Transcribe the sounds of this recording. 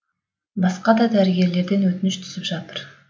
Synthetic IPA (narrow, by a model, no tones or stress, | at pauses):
bɑsqɑd̪ɑd̪æɾɪɡʲe̞ɾle̞ɾd̪e̞nwɵt̪ɪnɪʃt̪ʰʏ̥sɪpʒɑt̪əɾ